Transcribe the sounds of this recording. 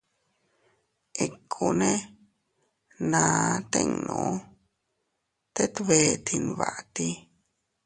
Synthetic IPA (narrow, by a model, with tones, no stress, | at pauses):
e˨kʰu˧nẽ˦ | nã˨˧t̪ḛ̃˦˧ŋnṵ̃˨˦ | t̪e˦t̪βe˧˦t̪ʰi˧n˧βa̰˨ʔt̪i˧